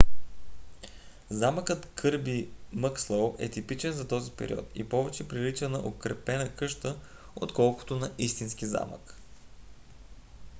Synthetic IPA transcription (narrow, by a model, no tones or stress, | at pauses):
zaməkət̪kʰɤɾbiməkslˠowɛ̰t̪ipit͡ʃɛnzɐt̪ɔzipɛ̰ɾʲḭɔ̰t̪ḭpɔvɛt͡ʃɛpɾilit͡ʃənəʔokɾɛpɛnəkɤʃt̪ə | ot̪kɔlˠkʊ̥t̪onɐʔist̪insk̟iza̰mə̰k